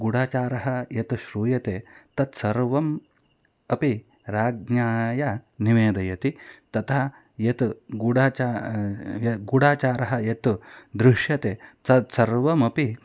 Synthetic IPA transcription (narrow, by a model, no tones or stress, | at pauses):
ɡuɽaːt͡ʃaːɾɐɦɐjet̪ʃɾuːjɐt̪eːt̪ɐt̪sɐɾʋɐm | ɐpi | ɾaːɡ̚ɲaːjɐniʋeːd̪ɐjɐt̪it̪ɐt̪ʰa | jɐt̪ɡuɽaːt͡ʃa | jɡuɽaːt͡ʃaːɾɐɦɐjet̪ud̪ɾɪʃjɐt̪eːt̪ɐt̪sɐɾʋɐmɐpi